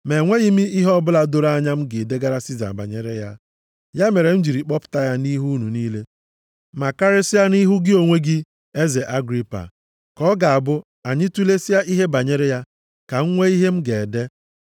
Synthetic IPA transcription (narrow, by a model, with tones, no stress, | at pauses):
me˨ŋʷe˦ɣi˦mi˦i˦ɦɔ˦bʊ˦la˦do˦ɾa˦ɲa˦m̩˦ɡe˨de˦ɡa˦ɾa˦si˦za̰˨ba̰˨ɲe˨ɾe˦ja˦ | ja˦me˨ɾe˨n̩˦d͡ʒi˨ɾi˨k͡pɔ˦pʊ̥˦ta˦ja˦ni˦ɦu˦nu˨niː˦le˦ | ma˨ka˦ɾɪ˦sɪ˦ja˦ni˦ɦu˦ɡɪ˦o˨ŋʷe˦ɡɪ˦ | e˦ze˨ʔa˦ɡɾi˦pa̰˨ | kɔ˦ɡa˨a˨bʊ˦ | a˨ɲɪ˦tu˦le˦si˦a˦ʔi˦ɦe˦ba˨ɲe˦ɾe˦ja˦ | ka˨ŋ̩˦ŋʷe˦i˦ɦe˦m̩˦ɡe˨de˦